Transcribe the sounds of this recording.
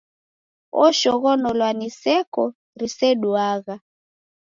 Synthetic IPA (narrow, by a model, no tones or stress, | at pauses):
ɔ̰ʃɔɣɔnɔlwanisɛkɔ | ɾisɛɗuaɣa